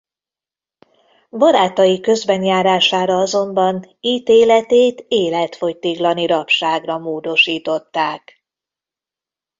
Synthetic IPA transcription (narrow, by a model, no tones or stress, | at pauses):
bɒɾaːt̪ɒjikø̞zbɛɲjaːɾaːʃaːɾɒɒzo̞mbɒniːt̪eːlɛt̪eːt̪eːlɛt̪fojt̪iɡlɒniɾɒpʃaːɡrɒmoːd̪o̞ʃiːt̪o̞t̪ːaːk